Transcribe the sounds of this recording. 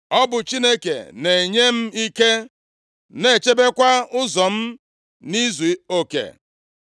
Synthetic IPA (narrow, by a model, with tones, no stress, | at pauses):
ɔ˦bʊ˨t͡ʃi˦ne˦kḛ˨ne˨ɲe˦m̩˦i˦ke˦ | ne˨t͡ʃe˦be˦kʷa˦ʊ˦zɔ˨m̩˦ | ni˦zu˨o˨kḛ˨